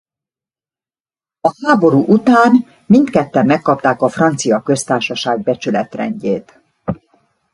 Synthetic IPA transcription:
ɒhaːbo̞ɾuːʔut̪aːn | mint̪kɛt̪ːɛmːɛkːɒpt̪aːkɒfrɒnt̪sijɒkø̞st̪aːrʃɒʃaːɡ̚bɛt͡ʃylɛt̪rɛ̰ɲɟeːt̪

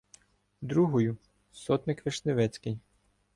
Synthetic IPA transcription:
d̪ɾuɦɔjʊ | sɔt̪nɪkʋeʃneʋɛt͡sʲkɪj

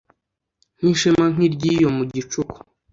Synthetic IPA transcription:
n̥iʃemaŋ̥iɾɟijomuɟit͡ʃuku̥

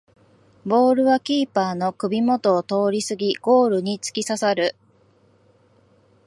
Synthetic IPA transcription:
bo̞ːɾɯ̟βakʲiːpaːno̞kɯ̟bʲimo̞t̪o̞ːt̪o̞ːɾʲisɨɡʲiɡ̥o̞ːɾɯ̟ɲ̟it͡sɨ̥kʲisasaɾɯ̟

